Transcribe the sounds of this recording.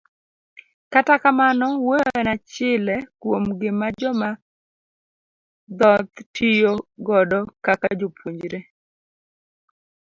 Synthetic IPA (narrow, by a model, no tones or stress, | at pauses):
katakamanɔwojnat͡ʃɪlɛkwomɡɪmad͡ʒɔma | d̪ɔt̪tʰijoɡɔdɔkakad͡ʒopʰuɲd͡ʒɾe